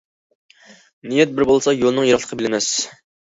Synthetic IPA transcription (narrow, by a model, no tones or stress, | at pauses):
nijɛt̪̚bɪɾbolˠsɑjolˠɨnɨŋjeɾɑχlˠəqʰəbɪlɪmɛs